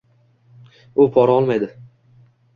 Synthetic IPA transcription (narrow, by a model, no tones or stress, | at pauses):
ʊpʰɒɾaɒlˠmajd̪ɪ